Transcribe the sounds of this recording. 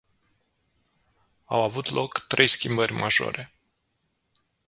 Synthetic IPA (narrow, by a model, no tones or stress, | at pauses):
awavut̪lo̞kt̪ɾʔe̞jskʲimbərʲmʔaʒo̞̰ɾe̞